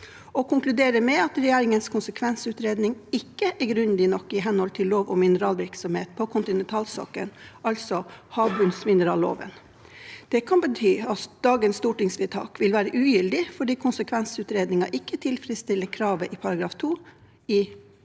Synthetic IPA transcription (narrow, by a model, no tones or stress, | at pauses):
ɔkʰʊŋklʉd̪eːɾəmɛɑt̪ɾɛjeːɾɪŋənskʰʊnsəkʰʋɛnsʉːt̪ɾeːd̪nɪŋɪkːəʔæɡɾʉnd̪ɪnɔkːɪɦɛnhɔlt̪ʰɪllːoːʋɔmɪnəɾɑːlʋɪɾksɔmheːt̪̚pʰɔkʰʊnt̪ɪnɛnt̪ʰɑːlsɑ̰ːkənɑlsɔhɑːbʉnsmɪnəɾɑ̰ːlo̰ːʋə̰n | d̪̥ɛkʰɑnbət̪ʰyːɑt̪d̪̥ɑːɡənst̪uːʈɪŋsʋɪt̪ʰɑ̰ːkʋɪlʋæːɾəʔʉːjʏld̪ɪfɔɖiːkʰʊnsəkʰʋɛnsʉːt̪ɾeːd̪nɪŋɑʔɪkːət̪ʰɪlfɾɪst̪ɪlːəkʰɾɑːʋəʔɪpʰɑɾɑɡɾɑːft̪ʰuː | ɪ